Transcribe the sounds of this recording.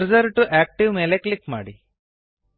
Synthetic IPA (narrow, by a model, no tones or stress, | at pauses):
ɾzɐɾʈuʔæːk̚ʈiʋmeːleklikma̰ːɽi